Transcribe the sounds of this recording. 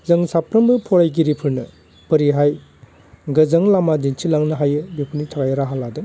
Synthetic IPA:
zɯŋsapʰɾɐmbɯpʰɔɾajɡiɾipʰɯɾnɯ | pɐɾiɦaj | ɡɐzɐŋlamadint͡ʃʰilaŋnɯɦajɯbepʰunitʰakajɾaɦaladɯ

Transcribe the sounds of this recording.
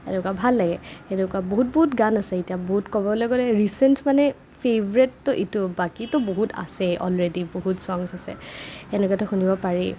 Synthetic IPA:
ɛ̰nɛkuabʱalːaɡɛɛnɛkuaboɦut̚boɦutɡanasɛitijaboɦutkɔbɔlɔɡɔlɛɹisɛntmanɛ | pʰebɔɹɛtːʊʔitʊbakitɔboɦuta̰sɛʔɔ̰lɹediboɦutsɔŋsasɛ̰ɛnɛkatɔxunibɔpaɹi

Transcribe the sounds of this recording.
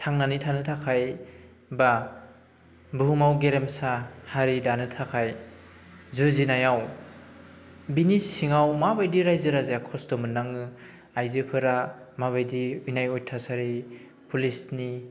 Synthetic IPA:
tʰaŋnanitʰanɯtʰakʰaj | ba | buumawɡeɾemsahaɾidanɯtʰakʰaj | zɯzinajaw | binisiŋawmabajdiɾajzɯɾazejakʰɔstɔmɯnːaŋɯ | ajzɯpʰɯɾa | maβajdiujnajɔjtʰasaɾi | pʰulisni

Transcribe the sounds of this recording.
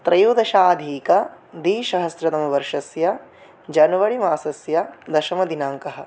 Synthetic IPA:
t̪ɾɐjuːd̪ɐʃaːd̪ʱiːkɐ | d̪iːʃɐɦɐsɾɐt̪ɐmɐʋɐɾʂɐsjɐ | d͡ʒɐnɐʋɐɭimaːsɐsjɐd̪ɐʃɐmɐd̪inaːŋkɐɦɐ̆

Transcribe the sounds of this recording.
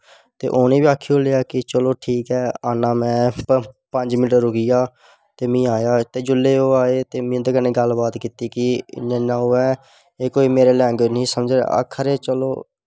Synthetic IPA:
t̪ḛːʔoːnĩːbiːaːkʰːiõːleːaːkɪt͡ʃəloːʈʰiːkɛːaːnãːmɛ̃ːpəɲd͡ʒmɪʈəɾʊkijaː | t̪eːmĩːaːjaːt̪eːd͡ʒʊlːeːoːaːeːt̪eːmĩːd̪əkəneːɡəlbaːt̪kiːt̪iːkɪnənãːuːɛː | eːkoːiːmeːɾeːlɛ̃ːŋɡnĩːsəmd͡ʒɾa̰ːə̰kʰːəɾeːt͡ʃəlo̰ː

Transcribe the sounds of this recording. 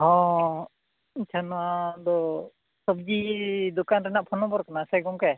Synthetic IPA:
hɔ̃ | iɲt͡ʃʰanɔwad̪ɔ | sɔb̚d͡ʒid̪ɔkanɾɛnaʔpʰɔnɔbɔɾkanasɛɡɔŋkɛ

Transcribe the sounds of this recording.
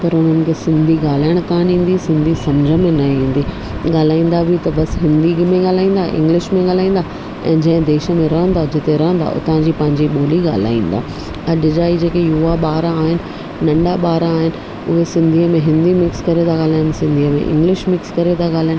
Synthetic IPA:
pɐɾʊn̤ənɪ̆kʰesɪ̃nd̪ʱiɠaːl̤aːɪəɽ̃t̪ãːnĩːn̆d̪isɪ̃nd̪ʱisɐmd͡ʑʱə̆mẽnɐĩːn̆d̪iː | ɠaːl̤aːĩːnd̪abʱɪt̪ɐbɐsɦɪ̃nd̪imẽɠaːl̤aːĩːnd̪aʔɪ̰̃ŋɡlɪʃmẽɠaːl̤aːĩːnd̪aː | ɛ̰̃ːd͡ʑɐ̃ɦɪ̃d̪eːʃə̆mẽɾɐɦə̃nd̪ad͡ʑɪt̪eɾɐɦə̃nd̪a̰ʔʊ̰t̪ãɲd͡ʑipɐ̃ɦɪ̃ɲd͡ʑiɓoːliɠa̰ːl̤a̰ːḭ̃ːnd̪a̰ː | ɐɗɪd͡ʑaːid͡ʑeːkejuʋaɓaːɾaːɦɪnɪ̆ | nɐ̃ɳɖaɓaːɾːɦɪnɪ̆ | ʊ̰ɦesɪ̃nd̪ʱiːəmẽɦɪ̃nd̪imɪkskɐɾet̪ʰaɠaːl̤aːjənsɪ̃nd̪ʱiːəmḛ̃ʔɪ̰̃ŋɡlɪʃmɪkskɐɾet̪ʰaɠaːl̤aːɪə̃

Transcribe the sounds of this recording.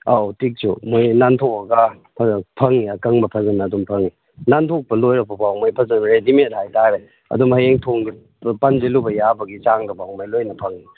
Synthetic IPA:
atik̚sṵmojnantʰokɐɡɐ | pʰɐŋiɐkɐŋbɐpʰɐzɐnːdumpʰɐŋi | nantʰok̚pɐlojɾɐpɐpawmajpʰɐzɐnɾedimethajtaɾe | ɐ̰dumhajeŋtʰoŋɡi | panzelubɐjabɐɡit͡ʃaŋdɐpawmajlojnɐpʰɐŋi

